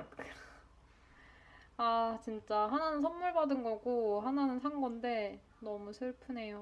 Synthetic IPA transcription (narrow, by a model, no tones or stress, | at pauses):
k | at͡ɕint͡ɕ͈aɦananɯnsʰʌnːuɭbadɯnɡʌɡoɦananɯnsʰaŋɡʌnde̞ | nʌmusʰɯɭpʰɯne̞jo